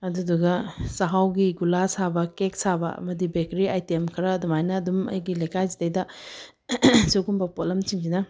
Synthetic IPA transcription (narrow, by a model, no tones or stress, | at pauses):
ɐduduɡɐsaɦawɡiɡulasabɐkek̚sabɐɐ̰mɐdibekɾiajtemkʰɐɾɐːdumajnɐːdumɐ̰jɡilɐjkʰajzitɐjdɐ | sokumbɐpolɐmt͡ʃiŋd͡ʒinɐ